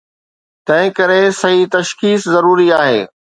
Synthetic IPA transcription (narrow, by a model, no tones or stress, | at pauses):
t̪ɐ̃ɦɪ̃kɐɾesɐɦit̪ɐʃkiːszɐɾuːɾiaːɦḛː